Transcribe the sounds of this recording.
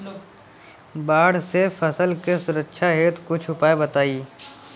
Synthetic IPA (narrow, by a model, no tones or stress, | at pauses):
baːɽ̤sefɐsəlkesʊɾəkʃʰaɦeːt̪kʊt͡ʃʰʊpaːebɐt̪aːiː